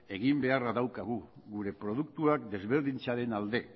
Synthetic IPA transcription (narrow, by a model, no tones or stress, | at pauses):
e̞ɣimbe̞araðawkaɣ̞uɣuɾe̞pɾo̞ð̞uk̚t̪uakd̪e̞zβe̞ɾðint͡saɾe̞nald̪e̞